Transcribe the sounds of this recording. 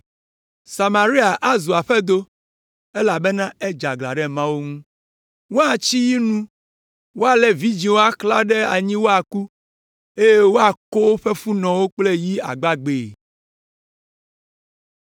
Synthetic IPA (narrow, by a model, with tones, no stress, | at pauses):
sa˨mã˨ɾi˦a˨ʔa˦zu˨a˨ɸe˦d̪o˦ | e˦la˨be˦nã˦e˦d͡ʒa˨ɡla̰˨ɖɛ˦mã˦wo˦ŋũ˦ | wo˦a˨t͡ɕi˦ji˦nũ˦ | wo˦a˨le˨vi˦d͡ʑi˨wo˦a˦kla˦ɖe˦a˨ɲĩ˦wo˦a˨ku˦ | e˦je˦wo˦a˨ko˦ɸe˦fu˦nɔ̃˨wo˦k͡ple˦ji˦a̰˨ɡ͡ba˦ɡ͡be˨